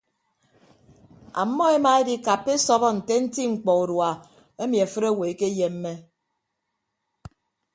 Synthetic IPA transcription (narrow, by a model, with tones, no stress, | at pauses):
a̰˨˦mːɔ˦e˦ma˨e˦di˦ka˨p̚ke˦sɔ˦bɔ˦n̩˨te˦n̩˦ti˦ŋ͡m̩˨k͡pɔ˨u˨ɾwa˨ | e˦mi˨a˨fɨ˦ɾe˦˨we˨ke˦je˨mː˦e˦